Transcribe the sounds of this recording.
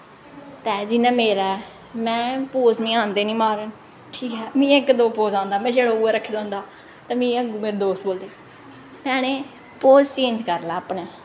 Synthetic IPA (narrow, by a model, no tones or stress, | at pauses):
t̪ɛːd͡ʒɪnãːmeːɾaːɛ | mɛ̃ːpoːzmĩːãːnd̪eːnĩːmaːɾən | ʈʰiːkɛːmĩːɪkd̪oːpoːzãːnd̪aːmɛ̃ːd͡ʒeːɽaːuːeːɾəkʰːeːd̪ãːnd̪aː | t̪ɛ̃ːmĩːəɡmeːɾeːd̪oːst̪boːld̪eː | mɛːñeː | poːzt͡ʃẽːɲd͡ʒkəɾlaːpɳeː